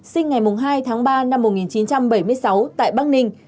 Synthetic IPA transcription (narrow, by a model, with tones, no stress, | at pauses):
sï˧ŋ̟ŋa˨˩jmʊ˨˩ŋ͡mɦaː˧jt̪ʰaː˨˦ŋɓaː˧na˧mː˨˩t̚ŋi˨˩nt͡ɕi˨˦nt͡ɕa˧mɓə˧˩jmɨ˧əjsa˨˦wt̪a̰ː˧˨jɓaː˦˥k̚nï˧ŋ̟